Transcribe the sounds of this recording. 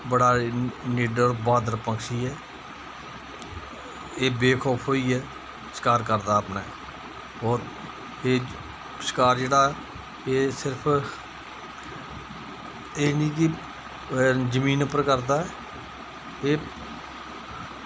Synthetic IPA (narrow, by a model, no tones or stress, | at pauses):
bəɽaːniːɖəɾbaːd̪əɾpəŋkʃiːɛː | eːbeːkʰɔːpʰɦoːiːɛː | sɪ̥kaːɾkəɾd̪aːəpneɛː | ɔːɾ | eː | sɪ̥kaːɾd͡ʒeːɽaːɛː | eːsɪɾəpʰ | eːnĩːk̬ɪ | d͡ʒəmĩːnəpːəɾkəɾd̪aːɛː | eː